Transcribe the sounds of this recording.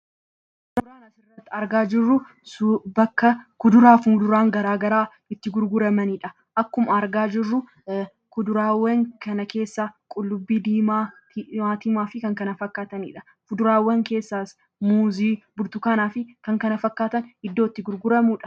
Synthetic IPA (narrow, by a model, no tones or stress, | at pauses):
kʊd̪ʊɾaːnɐsɪrːɐt̪ːɪɐɾɡaːd͡ʒɪrːʊ | bɐkːɐkʊd̪ʊɾaːfuːd̪ʊɾaːŋɡɐɾaːɡɐɾaː | ɪt̪ːɪɡʊɾɡʊɾɐmɐniːᶑɐ | ʔɐkːʊmɐɾɡaːd͡ʒɪrːʊ | kʊd̪ʊɾaːwːɐŋkɐnɐke̞ːsːakʼʊlːʊbːiːd̪iːmaː | aːt̪ɪmaːfɪkɐŋkɐnɐfɐkːaːt̪ɐnḭːᶑɐ̥ | kʊd̪ʊɾaːwːɐŋke̞ːsːaːs | muːziːbʊɾt̪ʊkɐnaːfɪkɐŋkɐnɐfɐkːaːt̪ɐnɪd̪ːoːɪt̪ːɪɡʊɾɡʊɾɐmuːᶑɐ̥